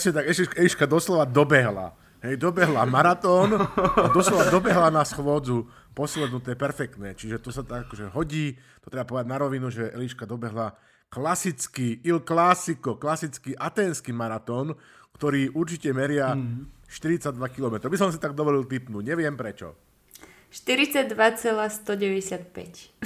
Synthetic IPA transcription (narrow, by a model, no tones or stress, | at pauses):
sɲɛt̪aɡɛʃcɛɛliʃkad̪ɔslɔʋad̪ɔbɛɦla̰ | ɦɛjd̪ɔbɛɦlamaɾat̪ɔːnad̪ɔslɔʋad̪ɔbɛɦlanasxʋɔd͡zu | pɔslɛd̪nut̪ɛɛpɛɾfɛk̚t̪nɛːt͡ʃiʒɛt̪ɔsat̪aɡakɔʒɛɦɔɟiː | t̪ɔ̥t̪ɾɛbapɔʋɛd̪aɟ̪naɾɔʋinuʒɛʔɛliʃkad̪ɔbɛɦla | klasit͡skiːilklasikɔklasit͡skiːʔat̪ɛːnskiːmaɾat̪ɔːn | kt̪ɔɾiːʔuɾt͡ʃicɛmɛɾɪaʃt̪iɾit͡saɟd̪ʋakilɔmɛt̪ɾɔbisɔmsit̪aɡ̚d̪ɔʋɔlilt̪ipnuːɲɛʋɪɛmpɾɛt͡ʃɔ̰ | ʃt̪iɾit͡saɟ̚d̪ʋat͡sɛlast̪ɔɟɛʋɛɟɛsɪat̪̚pɛ̰c